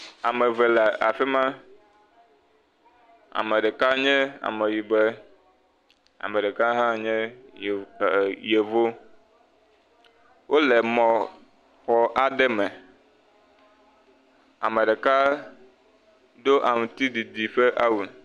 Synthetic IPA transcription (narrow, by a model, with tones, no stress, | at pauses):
a˨mɛ˨vɛ˨la˨a˨fɛ˦mã˦ | a̰˨me˨ɖɛ˨ka˦ɲɛ̃˦a̰˨me˨ji˨bɛ˦ | a̰˨me˨ɖe˨ka˦ɦã˦ɲɛ̃˦ | je˨vo˦ | wʔo˦lɛ˨mɔ̃˨ | xɔ˨ʔa˦ɖɛ˦mɛ˨ | a˨me˨ɖɛ˨ka˦ | d̪o˦ʔa˨mũ˨t̪i˦d̪i˨d̪i˨ɸe˦ʔa˦wu˨